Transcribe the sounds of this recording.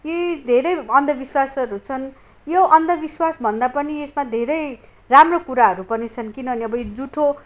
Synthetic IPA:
jed̪ʱeɾʌjʌnd̪ʱʌbiswasʌɾut͡sʰʌn | joʔʌnd̪ʱʌbiswasbʱʌnd̪apʌniesmad̪ʱeɾʌj | ramrokuɾaɦʌɾupʌnit͡sʰʌnkinʌʌniʌbʌjod͡zuʈʰo

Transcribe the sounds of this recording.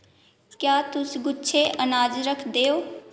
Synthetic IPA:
kjaːt̪ʊsɡʊtːʃʰeːʔənaːd͡ʒɾəkʰd̪eːoː

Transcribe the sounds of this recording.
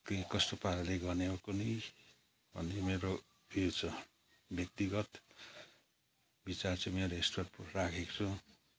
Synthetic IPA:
kekʌst̪opaɾʌleɡʌneokoni | bʱʌ̰nemeɾo | et͡sʰʌ | bjʌk̚t̪iɡʌt̪ | bit͡sart͡sʰʌmeɾoestaprakʰekt͡sʰu

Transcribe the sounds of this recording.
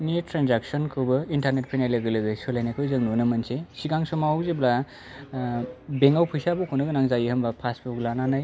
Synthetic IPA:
netɾanzak̚sɔnkʰɯbɯintaɾnet̚pʰajnajlɯɡɯlɯɡɯsɔlajnajkʰɯjzɯŋnunɯmɐnsesiɡaŋsɔmazebla | beŋawpʰujsabukʰunɯɡɯnaŋzajihɐmbapʰaspʰuɡlananaj

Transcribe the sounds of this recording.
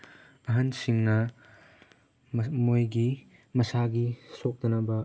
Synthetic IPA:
ɐɦɐnsiŋnɐ | mojɡi | mɐsaɡisok̚dɐnɐbɐ

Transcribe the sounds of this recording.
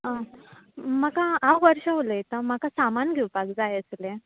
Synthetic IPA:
ɦã | m̤əkaawʋəɾɕəɦoləjt̪am̤akasamanɡʱewpakd͡zajəslẽ

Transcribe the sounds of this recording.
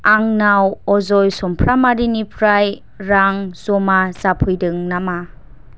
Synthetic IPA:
aŋnawɔzɔjsɔmpʰɾamaɾinipʰɾaj | ɾaŋsɔmazapʰujdɯŋnama

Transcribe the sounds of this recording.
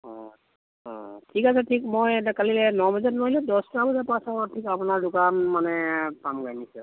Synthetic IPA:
ɔ̃ | ɔ̰̃tʰikasɛtʰikmojɛtakalilɛnɔbɔzɔtnojlɛdɔstabɔzapasakɔɔtʰikapunaɹdukanmanɛpamɡajnisɛ

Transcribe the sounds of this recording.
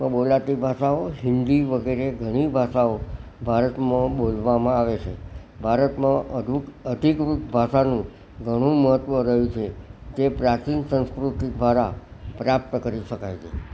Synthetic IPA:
ə̃ɓolat̪ibʱaʃaoɦɪnd̪iʋəɡeɾeɡʱəɽ̃ibʱaʃao | bʱaɾət̪mãɓolʋamãaʋet͡ʃʰe | bʱaɾət̪mãəuəd̪ʱikukbʱaʃanũ | ɡʱəɽ̃ũməɦət̪ʋəɾəɦjũt͡ʃʰed͡ʒepɾat͡ʃinsə̃nskɾut̪id̪ʱʋaɾapɾap̚t̪əkəɾiʃəkajt͡ʃʰḛ

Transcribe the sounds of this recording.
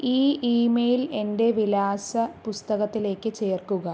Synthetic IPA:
iːʔiːmejile̞nde̞ʋilaːsɐpust̪ɐɣɐt̪ːile̞ːkːɨt͡ɕe̞ːrkuɣɐ

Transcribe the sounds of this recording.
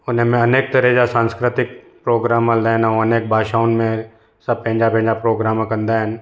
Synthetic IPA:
ʊn̤ɦemẽɐneːk̚t̪ɐɾɛɦd͡ʒasãːnskɾɪt̪ɪk̚ | pɾoːɡɾaːmãlɛːnaɦũɐneːk̚bʱaːʃaːʊnmẽ | sɐb̚pɐ̃ɦɪ̃d͡ʒapɐ̃ɦɲd͡ʒapɾoːɡɾaːmãkɐ̃nd̪aɦɪn̆

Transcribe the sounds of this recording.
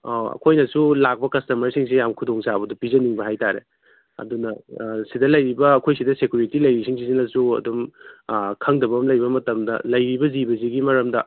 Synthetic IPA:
oɐ̰kʰojnɐsulak̚pɐkɐstɐmɐɾsiŋsijamkʰudoŋsabɐdɐpizɐniŋbɐɦajtaɾḛ | ɐ̰dunɐsidɐlɐjɾibɐːkʰojsidɐsekjuɾitilɐjɾisiŋsisinɐsuɐ̰dum | kʰɐŋdɐbɐmlɐjɾbɐmɐtɐmdɐ̰lɐjɾibɐzibɐziɡimɐɾɐmdɐ

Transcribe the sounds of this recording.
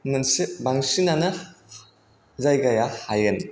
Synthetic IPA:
nɯnsɯbaŋsinanɯ | zajɡajahajɡɯn

